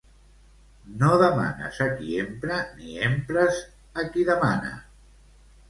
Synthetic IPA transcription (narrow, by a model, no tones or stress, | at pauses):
noðəma̰nə̰zakiempɾəniempɾəz | akiðəmanə̰